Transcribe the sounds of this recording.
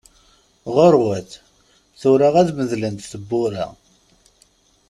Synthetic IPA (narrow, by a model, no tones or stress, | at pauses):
ʁoɾˤwæθ | θʊɾaʁæðməðlənt̪θəbːʊɾa̰